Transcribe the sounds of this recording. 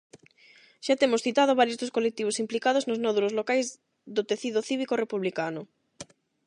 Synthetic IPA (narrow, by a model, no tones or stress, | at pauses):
ʃat̪emosθit̪að̞oβaɾjozðoskolek̚t̪iβ̞osimplikað̞oznoznɔðuɾozlokajz | ðot̪eθiðoθiβikorepuβlikanʊ